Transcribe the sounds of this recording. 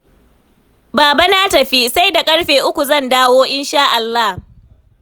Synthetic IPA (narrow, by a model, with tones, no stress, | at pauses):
baː˨ba˦naː˦tɐ˨ɸi˦sa˦jda˨kʼɐ˦ɽɸeː˨ʔʊ˦kʷu˨zɐ˦˨ndaː˦woː˦ʔɪ˦nʃaː˦ʔa˨lːa˦h